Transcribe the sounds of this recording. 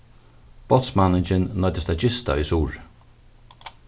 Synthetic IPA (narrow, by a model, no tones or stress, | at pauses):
b̥ɔt̪smanɪnd͡ʒɪnnɔɪd̪ɪst̪ʰad͡ʒɪst̪a̰isuːɹ